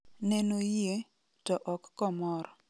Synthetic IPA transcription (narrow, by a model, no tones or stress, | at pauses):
nenoje | tɔʔɔkːɔmɔɾɔ